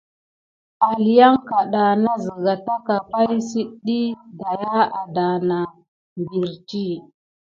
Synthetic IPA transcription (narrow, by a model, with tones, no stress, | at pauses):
a˨li˨ja˦ŋka˨ɗa˨na˦zi˨ɡa˨ta˦ka˨pa˦jsi˦ɗi˦da˨ja˦a˨da˨na˨ | mbi˨ɾt͡ʃi˦˨